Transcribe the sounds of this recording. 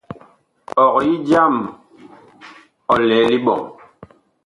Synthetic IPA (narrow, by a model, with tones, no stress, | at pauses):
ɔ˨kji˦d͡ʒa˦˨m | ɔ˨lɛ˨˦li˦ɓɔ̰˨ŋ